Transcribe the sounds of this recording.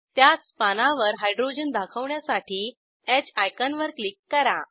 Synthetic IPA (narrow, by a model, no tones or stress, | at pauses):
t̪jat͡spanaʋəɾɦajɖɾod͡ʑənd̪akʰəʋɳjasaʈʰiː | ɛt͡ɕajkanʋəɾklikːəɾa